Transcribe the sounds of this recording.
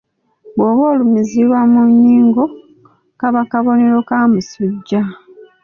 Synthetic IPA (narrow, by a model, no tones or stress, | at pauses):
βoːβoːlumiziβwamuɲːiːŋɡo̞ | kaβakaβo̞ne̞ɾo̞kamusuɟːa